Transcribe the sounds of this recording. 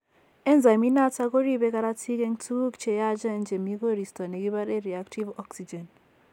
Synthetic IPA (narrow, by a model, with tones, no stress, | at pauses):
ɛ˦nza˨mi˦na˦ta˦kɔ˦ɾi˦bɛ˦ka˦ɾa˦tʰi˦kɛ˦ŋtʰu˦ɡu˦kt͡ʃɛ˨ja˦d͡ʒa˦˨nd͡ʒe˨mi˦ɡo˦ɾi˨stɔ˨nɛ˨ɡi˦ba˦ɾɛ˦ɾi˨a˦ktʰi˦vɔ˦ksi˨d͡ʒɛ˨n